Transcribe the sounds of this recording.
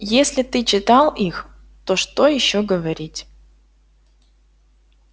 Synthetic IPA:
jesʲlʲɪt̪ɨt͡ɕɪt̪ɑlˠix | t̪oʂt̪ojɪɕːoɡəvɐɾʲitʲ

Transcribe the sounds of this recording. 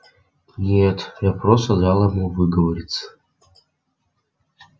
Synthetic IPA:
nʲet̪japɾosɐd̪alˠəmuvɨɡəvɐɾʲit̪sə̥

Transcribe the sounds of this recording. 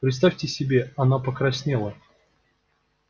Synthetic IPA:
pɾʲɪt̪st̪afʲtʲɪsʲɪbʲeɐnapəkɾɐsʲnʲelˠə

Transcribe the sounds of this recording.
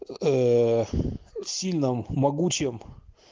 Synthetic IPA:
ə | sʲilʲnɨmːɐɡut͡ɕɪm

